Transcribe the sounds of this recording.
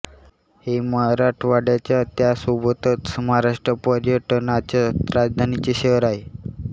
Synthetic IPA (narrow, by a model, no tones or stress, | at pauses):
heməɦaɾaʈʰʋaɽjat͡ɕjat̪jasobət̪ət̪səmɦaɾaʂʈɾəpəɾjəʈnat͡ɕaɾad͡zd̪ʱanit͡ɕeɕeʋəɾaɦe